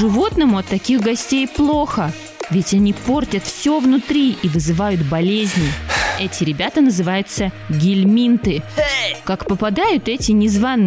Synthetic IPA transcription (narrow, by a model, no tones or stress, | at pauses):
ʐɨvo̞t̪nəmʊɐt̪ːɐkʲixɡɐsʲtʲejplˠo̞xə | vʲɪtʲɐnʲipo̞rtʲət̪fsʲovnʊt̪ɾʲiʔivɨzɨvajʊt̪bɐlʲezʲnʲɪɛtʲɪɾʲɪbʲat̪ənəzɨvajʊt̪sə | ɡʲɪlʲmʲint̪ɨkakpəpɐd̪ajʊt̪ɛtʲɪnʲɪzvanːɨ